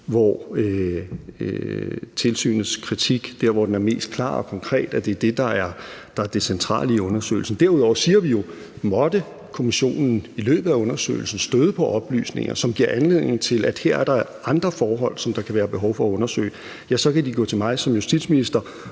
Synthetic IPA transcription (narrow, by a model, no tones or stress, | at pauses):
ʋɒø | t͡sʰe̝lsy̰ːnð̩ˠskʰʁit͡sʰiɡ̥d̥æɐʋɒd̥enæɐme̝̰ːsd̥̚kʰlɑ̰̈ːɒ̽kʰɒ̽ŋkʰʁɛ̰ːd̥æd̥e̝d̥e̝d̥ɑ̈æɐd̥ɑ̈æɐd̥e̝sent͡sʰʁɑ̰̈ːliːɔ̽nɐsø̰ːɪl̩sn̩d̥æɐuðˠɒ̰ʊ̰ɐsiːɐʋijo̝ | mɒ̽d̥ə | kʰo̝miɕo̝̰ːnn̩ilø̰ːb̥ð̩ˠæɔ̽nɐsø̰ɪl̩sn̩sd̥øðˠəpʰɒ̽ʔɒ̽b̥ly̰ːsne̝ŋɐsɒ̽mɡ̥iɐ̰ʔænle̝ð̰ˠne̝̰ŋ̩t͡sʰe̝læd̥heɐ̰æɐɾ̥ɑ | ɑ̈nd̥ʁɐfɒːɦɒ̽l̰sɒ̽md̥ɑ̈kʰæʋæːɐb̥e̝ɦɒʊfɒ̽ɔ̽nɐsø̰ːɪ | jæsɒ̽kæd̥iɡ̥ɔ̰ːt͡sʰe̝lmɑ̈ɪsɒ̽mjusd̥id̥ˠsminisd̥ɐ